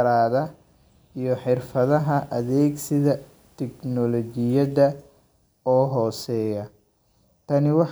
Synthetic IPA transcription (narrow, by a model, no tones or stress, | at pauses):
ɾaːðɐ | ijɔħɪrfɐðɐɦɐʔɐðɛːɡsɪðɐ | t̪ʰɛɡnɔlɔt͡ʃɪjɐðɐ | ɔːɦɔːsɛːjɐ | t̪ʰɐnɪwɑħ